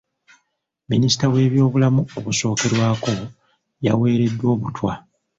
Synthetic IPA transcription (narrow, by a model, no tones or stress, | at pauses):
minisi̥tawe̞ːβjo̞ːβulamuo̞βuso̞ːke̞ɾwaːko̞ | jawe̞ːɾe̞dːwo̞ːβutwa